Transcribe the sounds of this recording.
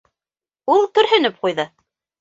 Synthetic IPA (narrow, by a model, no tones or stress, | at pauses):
ulˠt̪ɵ̆ɾɦɵ̆nɘp̚qujðɤ